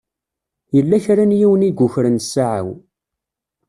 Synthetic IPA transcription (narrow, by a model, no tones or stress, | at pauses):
jəlːæçɾænjiwəniɡʷːʊçɾənsaʕa̰w